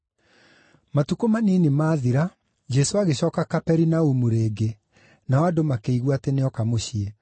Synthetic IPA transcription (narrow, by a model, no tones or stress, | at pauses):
matukomaniːnimaːðiɾa | d͡ʒɛsoaɣeɕɔːkakapɛɾinaumuɾeːɡe | naadomakeiɣwateneɔkamoɕie